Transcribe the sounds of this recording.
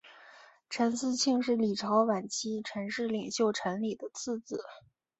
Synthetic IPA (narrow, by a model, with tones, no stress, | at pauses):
ʈ͡ʂʰə˧˥nsɹ̩˥˧t͡ɕʰi˥˧ŋʂɻ̩˥˩li˨˩ʈ͡ʂʰɑ˧˥ʊwa˨˩nt͡ɕʰi˥ʈ͡ʂʰə˧˥nʂɻ̩˥˩li˨˩ŋɕjo˥˩ʊʈ͡ʂʰə˧˥nli˨˩d̪ə˦t͡sʰɹ̩˥˩t͡sɹ̩˨˩˦